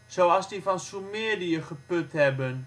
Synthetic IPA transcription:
soɑlˠsdifɑnsumeədiəχəpøthɛbən

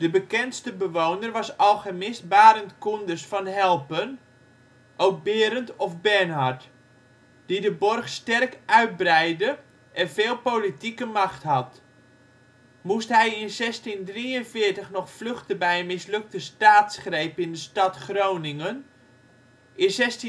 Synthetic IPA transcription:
d̥əbəkɛntstəbəʋownərʋɑsɑlˠχəmɪsbaːɾəntkundəsfɑnɦɛlˠpən | ʔowk̚bɪːɾəntɔfbɛnɦart | d̥idəbɔrχstɛrkœɥt̚brɛjdə | ʔɛnvɪːlˠpoːlitikəmɑχtɦɑt | mustɦɛjɪnzɛstindriənfɪːtəχnɔχfløxtəbɛjənmɪslɵk̚təstaːtsχrejpɪndəstɑtχrownɪŋən | ʔɪnsɛsti

